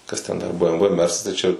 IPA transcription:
ˈkɐs tʲɛn dɐr bə ɛm ʋə ˈmʲɛrsɐs tɐɪ t͡ʃʲɛ

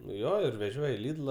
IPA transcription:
nʊ ˈjoː ɪr ʋʲɛˈʒʲoːj ɪ ˈlʲɪdlˠɐ

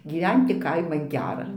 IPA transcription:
ɡʲiːˈʋʲɛnʲtʲɪ ˈkɐɪmɐn ˈɡʲæːrɐ

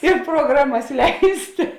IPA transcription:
ɪ proːˈɡrɑːmɐs ˈlʲɛɪsʲtʲeː

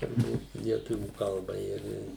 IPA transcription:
tʊrˈbuːt lʲiɛˈtʊʋʲuː ˈkɐlˠbɐ ɪr ɪ

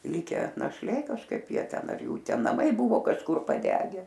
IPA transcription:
ˈlʲɪkʲæː nɐʃʲˈlʲeː kɐʃˈkɐɪp ˈjiɛ ˈtʲɛn ɐr jˈuː ˈtʲɛn nɐˈmɐɪ ˈbʊʋoː kɐʃˈkʊr pɐˈdʲæːɡʲɛ

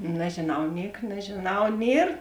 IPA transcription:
nʲɛʒʲeːˈnɐʊ ˈnʲiɛk nʲɛʒʲeːˈnɐʊ ˈnʲiɛr

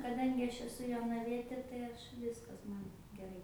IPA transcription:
kɐˈdɐŋʲɡʲɪ ˈɐʃ ɛˈsʊ joːnɐˈʋʲiɛtʲeː tɐɪ ˈɐʃ ˈʋʲɪskɐs ˈmɐn ɡʲɛˈrɐɪ

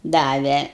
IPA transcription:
ˈdɑːʋʲɛ

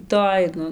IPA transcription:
ˈtoːj ˈnʊ

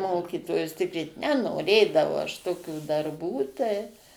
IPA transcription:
ˈmoːkʲiːtoːjʊs ˈtʲɪkrʲiːt nʲɛnoːˈrʲeːdɐʋɐʊ ɐʃ toːˈkʲuː dɐrˈbuː tɐɪ

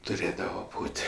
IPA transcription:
tʊˈrʲeːdɐʋɐ ˈbuːtʲ

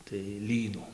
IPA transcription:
tɐɪ ˈlʲiːnuː

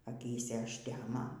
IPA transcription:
ɐˈkʲiːsʲɛ ɐʃʲˈtʲæːmoː

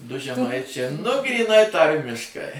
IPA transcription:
ˈdʊ ʒʲɛˈmɐɪt͡ʃʲɛ nʊ ɡrʲiːˈnɐɪ ˈtɐrʲmʲɪʃkɐɪ

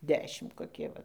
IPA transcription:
ˈdʲæːʃʲɪm koːˈkʲiɛ ˈʋɐ

